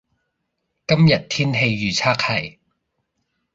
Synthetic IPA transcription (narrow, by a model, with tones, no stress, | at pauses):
kɐ˥mjɐ˨t̚t̪ʰiː˥nɦe˧jːyː˨t͡sʰaː˥k̚hɐ˨˩j